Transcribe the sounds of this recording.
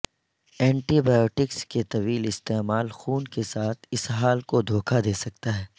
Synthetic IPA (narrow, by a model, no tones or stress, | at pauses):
ɛ̃ːɳʈibaːjoːʈɪksket̪ɐʋiːlɪst̪eːmaːlxuːnkesaːt̪ʰɪsɦaːlkod̪ʱoːkʰad̪eːsɐk̚t̪aɦɛː